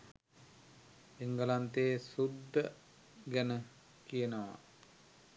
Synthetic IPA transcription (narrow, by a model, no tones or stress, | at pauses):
eŋɡəlant̪eːsud̪ːə | ɡænə | kijənəʋa̰